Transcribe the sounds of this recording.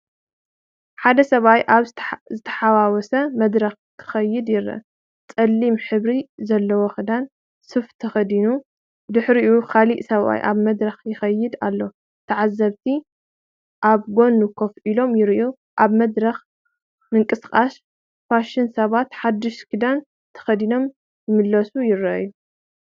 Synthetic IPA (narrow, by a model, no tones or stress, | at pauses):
ħad̪ɐsɐβajaβzɨt̪ʰɐ̥ħawawɔsɐmɐd̪ɾɐx | kʰɨ̥xɐjːɪd̪jɪɾɐ̰ | t͡sʼɐlːimħɨβɾizɐlːɐwoxɨd̪an | sɨft̪ʰɐxɐd̪inu | d̪ɨħɾiʔukʰaliʔsɐβa̰jʔaβmɐd̪ɾɐxjɪxɐjːɪd̪alːo̞ | t̪ʰɐʕazːɐβt̪ʰi | ʔaβɡo̞nːukʰofʔilo̞mjɪɾʔu | ʔaβmɐd̪ɾɐx | mɨŋkʼɨskʼas | faʃɪnsɐβat̪ħad̪ːɨʃkʰɨd̪an | t̪ʰɐ̥xɐd̪ino̞m | jɨmɨlːɐsujɪɾɐʔɐjːu